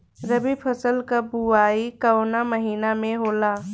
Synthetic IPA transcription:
ɾəbipʰəsəlkabuaːikəonaməɦiːnamẽɦoːlaː

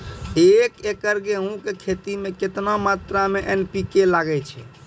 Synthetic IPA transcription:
ekekəɾɡeɦũkekʰet̪imeket̪namat̪ɾameʔenpikelaɡɛt͡ʃʰɛ

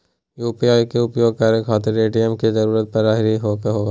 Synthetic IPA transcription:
juːpiaːikeʊpjoːɡ̚kaɾekʰaːt̪eɾeːɖijəmkizɐɾuːɾət̪̚pɐɾaːɦɪɾiɦoːkeɦoː

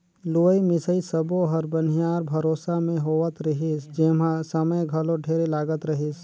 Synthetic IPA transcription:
luːimɪsəisəboɦəɾbənijaːɾbʱɐɾoːsamẽɦoːət̪ɾəɦisd͡ʒemãsəməjɡʱɐloɖʱeːɾelaːɡət̪ɾɐɦis

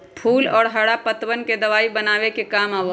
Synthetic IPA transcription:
pʰuːlɔːɾɦəɽapət̪ʋənked̪əʋaːibənaːʋekekaːmaːʋə

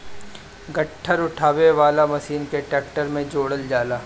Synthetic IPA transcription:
ɡɐʈʰːəɾʊʈʰaːʋeʋaːlamɐsiːnkeʈɛːk̚ʈəɾmẽd͡ʒoːɽəld͡ʒaːlaː

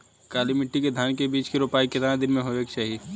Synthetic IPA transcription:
kaːlimɪʈːiked̪ʱjaːnkebiːt͡ʃkiɾoːpaːikɪt̪aːnãd̪ɪnmẽɦoʋeːkʃɐɦi

